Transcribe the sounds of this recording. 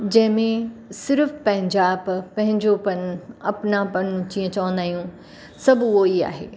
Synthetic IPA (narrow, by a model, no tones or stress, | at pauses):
d͡ʑɐ̃ɦɪ̃mẽsɪɾfpɐ̃ɦɪ̃ɲd͡ʑaːbpɐ̃ɦɪ̃ɲd͡ʑopɐnɐpnapɐnnũt͡ɕĩːə̃t͡ɕɐʋə̃nd̪aːijũ | sɐbʊɦoiːa̰ːɦḛː